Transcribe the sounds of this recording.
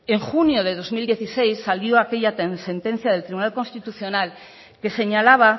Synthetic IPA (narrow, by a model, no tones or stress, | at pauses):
eŋxunjoðeð̞o̞zmild̪je̞θisejsːaljoakeʎat̪ensẽnt̪ẽn̟θjaðelt̪ɾiβunalko̞nst̪it̪uθjonal | ke̞se̞ɲalaβ̞a